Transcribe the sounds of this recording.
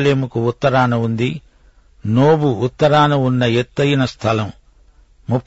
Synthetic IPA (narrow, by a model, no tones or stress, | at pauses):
leːmukuut̪ːɐɾaːnɐund̪i | noːbuːt̪ːɐɾaːnɐunːɐet̪ːɐjinɐst̪ʰɐlɐm | mupʰː